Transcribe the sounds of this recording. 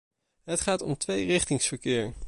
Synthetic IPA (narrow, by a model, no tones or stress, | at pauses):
ɦətχaːtɔ̰mtʋejrɪχtɪŋsfəɹkɪːɹ